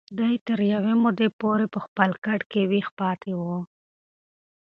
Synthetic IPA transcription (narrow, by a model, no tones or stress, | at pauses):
d̪ajt̪əɾjawemod̪epoɾepəxpəlkaʈkewixpɑt̪ʰewə